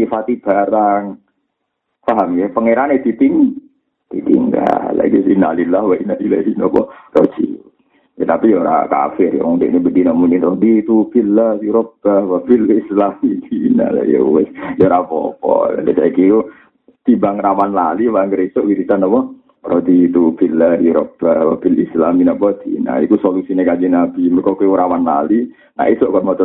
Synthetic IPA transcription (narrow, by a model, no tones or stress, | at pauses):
ifat̪ib̥aɾaŋ | faɦamjapəŋeɾaned̪it̪iŋ | d̪̥it̪ḭŋɡa̰llːa̰ɡisinalilahwainalilasinɔpɔrod͡ʒḭ | jat̪apijoɾa̰ka̰fɪrja̰ŋundɛ̰ʔnibədinamuninrodit̪ubilasuɾop̚awapilslaidina̰la̰jo̰ɛsjɔɾapɔ̰pɔ̰l̰dɛ̰taikiku | t̪ibaŋramanlalibaŋɡəɾisɔʔwiɾit̪anapɔ | rodit̪upilːəjuɾɔp̚ːəhwapilislaminapɔt̪ḭna̰ikusolusinakad͡ʒinapiməkokuɾamanla̰li | na̰ʔisɔʔkɔʔmot̪